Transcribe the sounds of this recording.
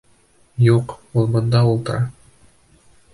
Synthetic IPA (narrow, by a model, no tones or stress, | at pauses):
juqulˠbŏnd̪ɑulˠt̪ɤ̆ɾɑ